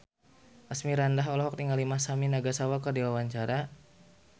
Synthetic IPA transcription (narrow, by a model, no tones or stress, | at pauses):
ʔasmiɾandaɦɔlɔɦɔk̚t̪iŋalimahsaminaɡasawakərdiwawaɲt͡ʃaɾa